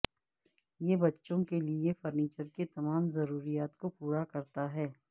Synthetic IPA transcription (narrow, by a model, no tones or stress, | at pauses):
jebɐtːʃõkeliefɐɾniːt͡ʃəɾket̪ɐmaːmzɐɾuːɾijaːt̪kopuːɾakɐɾt̪aɦɛː